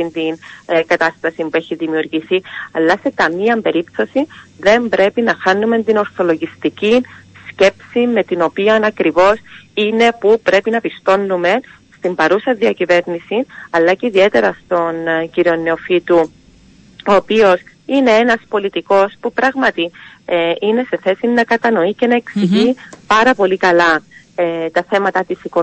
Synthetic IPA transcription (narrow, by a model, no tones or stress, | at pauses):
int̪inkɐt̪ɐst̪ɐsimbue̞çiðimiuɾʝiθiɐlːɐsekɐmiɐmbe̞ɾipθo̞siðe̞mbɾe̞pinɐxɐnːume̞nt̪ino̞ɾθo̞lo̞ʝist̪icisce̞psime̞t̪ino̞piɐnɐkɾivo̞sine̞pupɾe̞pinɐpist̪o̞nːume̞n | st̪imbɐɾusɐðiɐcive̞ɾnisinɐlːɐceiðie̞t̪e̞ɾɐst̪o̞nciɾio̞nːeo̞fit̪u | oːpio̞sine̞enɐspo̞lit̪iko̞spupɾɐɣmɐt̪i | ine̞se̞θe̞sinːɐkɐt̪ɐno̞ice̞nɐe̞ksiʝipɐɾɐpo̞likɐlɐ | et̪ɐθe̞mɐt̪ɐt̪isiko